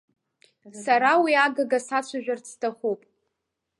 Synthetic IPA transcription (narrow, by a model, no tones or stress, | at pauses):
saɾawiaɡaɡasat͡ɕʷʰaʒᶣart͡sʰtʰaχupʼ